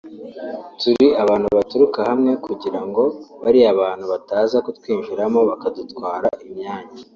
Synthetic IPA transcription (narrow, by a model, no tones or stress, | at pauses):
tuɾiaβaːn̥huβatuɾukahamŋe̞kuɟiɾaŋɡo̞βaɾiaβaːn̥huβataːzakotkwiːɲʒiɾamo̞βakadutkwaːɾaʔimɲaːɲa